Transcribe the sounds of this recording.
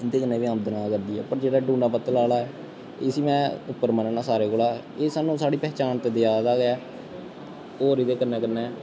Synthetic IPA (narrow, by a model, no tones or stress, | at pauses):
ɪnd̪eːkənːeːʋiːəmd̪ənãːkəɾd̪iːɛ̰ːpəɾd͡ʒeːɽaːɖũːɳɖãːpət̪ːəlaːlaːɛː | eːsiːmɛ̃ːʊpːəɾməneːnãːsaːɾeːkoːlaː | eːsaːnũːsaːɽiːpɛːt͡ʃaːnt̪eːd̪ɪjaːd̪aːɡeɛː | oːɾiːd̪eːkənːɛ̃ːkənːɛ̃ː